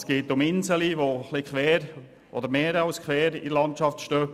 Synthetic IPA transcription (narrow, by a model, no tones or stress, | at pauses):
sɡ̥eːtʊmɪnzəliʋoχlikχʋɛːɾ | ʔɔ̰d̪əɾmeːɾɑlskʰʋɛːɾɪ̰dəlɑntt͡ʃɑftʃtøː